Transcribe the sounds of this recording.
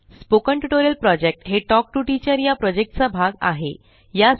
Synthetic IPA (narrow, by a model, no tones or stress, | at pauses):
spokəɳʈuʈoɾiəlpɾɔd͡ʑek̚ʈɦeʈɔk̚ʈuʈit͡ɕəɾjapɾɔd͡ʑek̚ʈt͡sabʱaɡa̰ɦe | ja